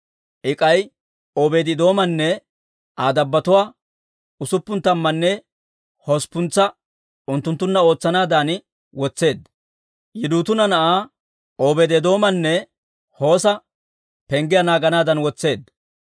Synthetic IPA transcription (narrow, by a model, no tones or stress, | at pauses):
ʔɪkʼɐj | oːbeːd̪ɪd̪o̞ːmɐnːɛ | ʔaːd̪ɐbːɐt̪ʊwaː | ʊsʊpːʊnt̪ːɐmːɐnːɛ | hɔspːʊnt͡sːɐ | ʊnt̪ːʊnt̪ːʊnːɐo̞ːt͡sːɐnaːd̪aːn | wɔt͡sːe̞ːd̪ | jɪd̪uːt̪ʊnɐnɐʔaː | oːbeːd̪ɛd̪o̞ːmɐnːɛ | ho̞ːsɐ | pɛŋɡɪjanaːɡɐnaːd̪ɐnwɔt͡sːe̞ːd̪